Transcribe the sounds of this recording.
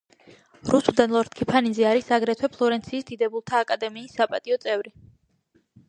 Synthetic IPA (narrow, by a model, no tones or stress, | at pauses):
ɾusud̪anlˠɔɾt̪̚kʰipʰanizɛaɾisaɡɾɛt̪ʰwɛpʰlˠɔɾɛnt̪sʰiːsd̪id̪ɛbulˠt̪ʰaːkʼad̪ɛmiːsːapʼat̪ʼiɔt̪sʼɛvɾi